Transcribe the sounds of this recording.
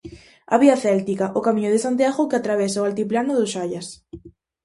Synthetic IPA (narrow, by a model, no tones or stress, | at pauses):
a̰βiaθɛlt̪ikaʔokamĩɲʊð̞ɪsant̪jaɣokeat̪ɾaβɛsaoalt̪iplanʊðʊʃaʎas